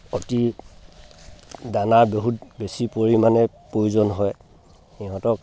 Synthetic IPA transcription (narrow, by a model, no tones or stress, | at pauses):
oti | danaɹbeɦutbesipoɹimanɛpɹojuzɔnɦɔj | iɦɔ̃tɔk